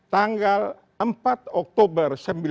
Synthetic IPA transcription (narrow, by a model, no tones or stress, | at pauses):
t̪aŋɡal | əmpat̪ɔk̚t̪obərsəmbil